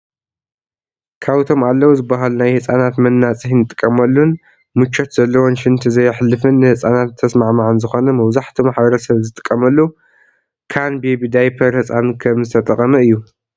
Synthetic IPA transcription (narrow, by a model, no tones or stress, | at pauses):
kʰaβt̪ʰo̞malːɐwuzɨbːaɦalunajhɨt͡sʼanat̪mɐnːat͡sʼɨhnɨt̪ʼɨ̥kʼːɐmɐlːun | mɨt͡ʃːot̪zɐlːɐwonʃɪnt̪ʰɨzɐjħlːɨfɨnːɨhɨsʼanat̪ʰːɐsmaʕmaʕɨnzɨxo̞nɐmɐβzaħt̪ʰimaħbɐɾɐsɐβzɨt̪ʼɨ̥kʼːɐmɐlːu | kʰanbebid̪ajpʰɐɾhɨt͡sʼankʰɐmzɨt̪ʰɐt̪ʼɐχʼɐmɐɨjːu